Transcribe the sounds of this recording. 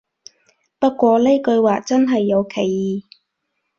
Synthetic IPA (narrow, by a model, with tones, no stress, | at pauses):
pɐ˥t̚kʷɔː˧le˥jkɵ˧ɥwaː˨t͡sɐ˥nɦɐ˨jːɐ˨˧wkʰe˨˩jːiː˨˩